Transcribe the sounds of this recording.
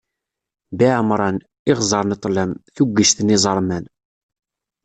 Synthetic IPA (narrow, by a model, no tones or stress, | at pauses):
biʕəmɾˤɑn | ɪʁzˤɑɾˤnit̪ˤlæmθuɡːəʃt̪ənizˤəɾˤmæn